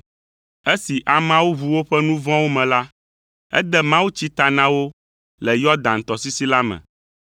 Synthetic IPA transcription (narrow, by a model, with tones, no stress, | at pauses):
e˦si˨ʔa˨mã˦wu˦βu˦wo˦ɸɛ˦nũ˦vɔ̃˦wo˦mɛ̃˨la˦ | ɛ̰˦d̪ɛ˦mã˦wu˦t͡ɕi˦t̪a˨nã˦wo˦ | lɛ˨jɔ˦d̪ã˨n˨t̪ɔ˨si˦si˦la˦mɛ̰̃˨